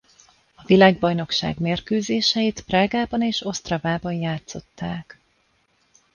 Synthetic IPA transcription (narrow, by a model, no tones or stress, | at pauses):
ɒvilaːɡ̚bɒjno̞kʃa̰ːɡmeːrkøːzeːʃɛjit̪praːɡaːbɒneːʃo̞st̪rɒvaːbɒnjaːt̪so̞t̪ːaːk